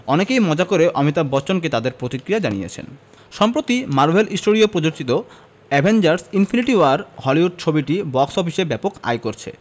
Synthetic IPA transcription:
ɔnekejmɔd͡ʑakoɾeʔɔmit̪abɔt͡ɕonk̬et̪ad̪eɾpɾot̪ikɾijad͡ʑanijḛt͡ɕʰḛn | ʃɔmpɾot̪imaɾbʱelʔisʈoɾiopɾod͡ʑoɾt͡ɕit̪o | ɛbʱend͡ʑaɾsinfʰiniʈiwaɾhɔliɦuɖ̚t͡ɕʰobiʈibɔksɔfiʃebɛpoka̰jkoɾt͡ɕʰḛ

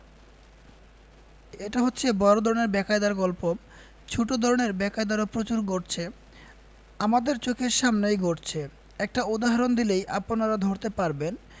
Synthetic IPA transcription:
eʈaɦot̪ːɕʰebɔɾod̪ʱɔɾoneɾbɛkaed̪aɾɡɔlpo | t͡ɕʰuʈod̪ʱɔɾoneɾbɛkaed̪aɾopɾot͡ɕuɾɡoʈt͡ɕʰe | amad̪eɾt͡ɕokʰeɾʃamnejɡʱoʈt͡ɕʰe | ɛk̚ʈaud̪aɦaɾond̪ilejʔaponaɾad̪ʱoɾt̪epaɾben

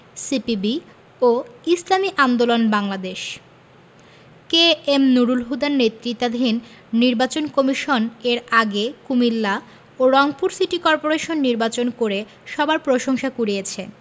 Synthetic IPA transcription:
sipibi | oislamiʔand̪olonbaŋlad̪eʃ | keemnuɾulɦud̪aɾnet̪ːɾit̪ːad̪ʱinː | iɾbat͡ɕonkomiʃoneɾaɡekumilːa | oɾɔŋpuɾsiʈikɔɾpoɾeʃonːiɾbat͡ɕonkoɾe | ʃɔbaɾpɾoʃoŋʃakuɾiet͡ɕʰe

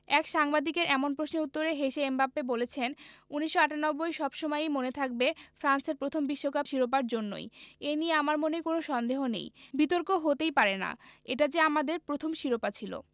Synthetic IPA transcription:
ɛkʃaŋbad̪ikeɾʔɛmonpɾosnout̪ːoɾeɦeʃeembapːebolet͡ɕʰenuniʃːoaʈanɔbːojʃɔbʃomɔjjmonet̪ʰak̚befɾanseɾpɾot̪ʰombiʃːokapʃiɾop̬aɾd͡ʑonːo̰jenieamaɾmonekonoʃɔnd̪eɦonḛjbit̪oɾkoɦot̪ejpaɾena̰eʈad͡ʑeamad̪eɾpɾot̪ʰomʃiɾopat͡ɕʰilo̰

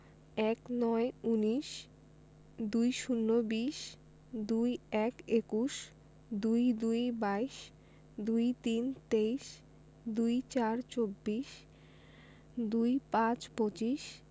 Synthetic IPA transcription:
ɛknɔeuniʃ | d̪ujʃunːobiʃ | d̪ujɛkekuʃ | d̪ujd̪ujbaiʃ | d̪ujt̪int̪eiʃ | d̪ujt͡ɕaɾt͡ɕobːiʃ | d̪ujpãt͡ɕpot͡ɕiʃ

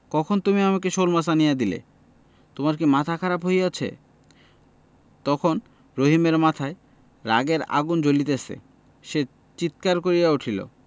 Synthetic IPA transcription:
kɔkʰont̪umiamak̬eʃolmasanijad̪ilḛ | t̪omaɾkimat̪ʰakʰaɾapɦojjat͡ɕʰḛ | t̪ɔkʰon | ɾoɦimeɾmat̪ʰae | ɾa̰ɡeɾa̰ɡund͡ʑolit̪̬easḛ | ʃe | t͡ɕit̪̚kaɾkoɾijauʈʰilo̰

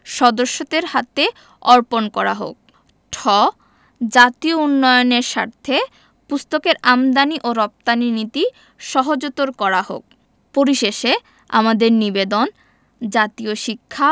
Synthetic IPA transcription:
ʃɔd̪oʃːot̪eɾhat̪e | ɔɾponkɔɾa̰ɦo̰k̚ | ʈʰɔ | d͡ʑat̪iounːɔjoneɾʃa̰ɾt̪ʰe | pust̪okeɾamd̪aniʔoɾɔp̚t̪aninit̪i | ʃɔɦod͡ʑot̪oɾkɔɾaɦo̰k̚ | poɾiʃeʃe | a̰mad̪eɾnibed̪on | d͡ʑat̪ioʃikʰːa

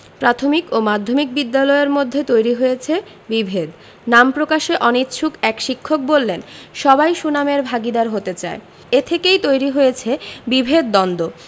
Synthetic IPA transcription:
pɾat̪ʰomikomad̪ʱːomik̚bid̪ːalɔeeɾmod̪ʱːet̪ojɾiɦojet͡ɕʰe | bibʱed̪ | nampɾokaʃeʔɔnit̪t͡ɕʃʰukɛkʃikʰːok̚bolːenʃɔbajʃunameɾbʱaɡid̪aɾɦot̪et͡ɕae | et̪ʰekejt̪ojɾiɦojet͡ɕʰebibʱed̪̚ːɔnd̪o

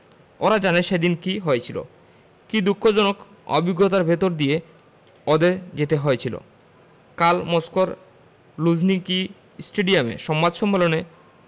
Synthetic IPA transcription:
oɾad͡ʑaneʃed̪inkiɦoet͡ɕʰilo̰ | kid̪ukʰːod͡ʑɔnok | ɔ̰biɡːot̪aɾbʱet̪oɾd̪ije | ɔd̪ed͡ʑet̪eɦoet͡ɕʰilo̰ | kalmɔskoɾ | lud͡ʑniki | sʈeɖiamḛʃɔmːad̪ʃɔmːolone

